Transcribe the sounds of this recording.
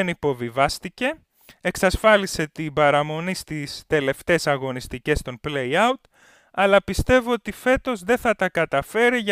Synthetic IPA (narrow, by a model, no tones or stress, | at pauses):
enipo̞vivɐst̪ice̞ | eksɐsfɐlise̞t̪ibɐɾɐmo̞nist̪ist̪e̞le̞ft̪e̞sɐɣo̞nist̪ice̞st̪o̞npleiɐut̪ | ɐlɐpist̪e̞voot̪ife̞t̪o̞zðe̞θɐt̪ɐkɐt̪ɐfe̞ɾiʝ